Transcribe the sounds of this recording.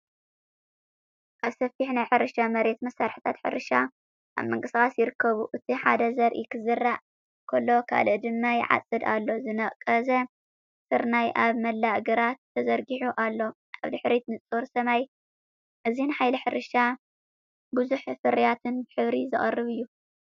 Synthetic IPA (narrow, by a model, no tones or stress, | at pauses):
kaβsɐfiħnajħɨɾɨʃamɐɾe̞t̪mɐsːaɾħi̥t̪ʰat̪ħɨ̰ɾɨʃa | ʔa̰βmɐŋkʼɨsɨkʼasjɪɾɨkʰːɐβuʔɨt̪ʰiħa̰d̪ɐzɐɾʔikʰɨzɨrːaʔ | kʰolːo̞kʰa̰lɨʔd̪ɨmːajɪ̰ʕa̰t͡sʼɨd̪a̰lːo̞zɨnɐʔʼkʼːɐzɐ | sɨɾnajʔaβmɐlːaʔɡɨɾat̪ʰːɐzɐɾɡiħuʔalːo̞ | ʔa̰βd̪ɨħɾit̪nɨt͡sʼoɾsɐmaj | ʔɨzinħajlɐħɨɾɨʃa | bɨzuħfɨɾijat̪ʰɨnbɨħɨβɾizɨχʼɐ̰rːɨβɨjːu